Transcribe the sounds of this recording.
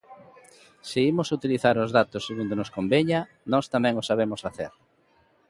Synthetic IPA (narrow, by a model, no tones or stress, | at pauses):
sɪimʊsut̪iliθaɾʊzðat̪ʊsːeɣund̪onʊskombeɲɐ | nɔst̪amɛ̃ŋʊsaβ̞emʊsfaθeɾ